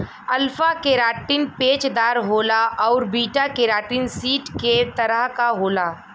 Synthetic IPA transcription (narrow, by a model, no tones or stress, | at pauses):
ɐlfakeːɾaːʈinpeːt͡ʃd̪aːɾɦoːlaʔɔːɾbiːʈakeːɾaːʈinsiːʈket̪ɐɾəɦkaɦoːlaː